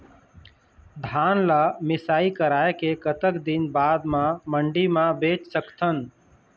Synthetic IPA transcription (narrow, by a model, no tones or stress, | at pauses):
d̪ʱaːnlamɪsaːikəɾaːekekət̪əkd̪ɪnbaːd̪mãməɳɖimãbeːt͡ʃsəkt̪ʰən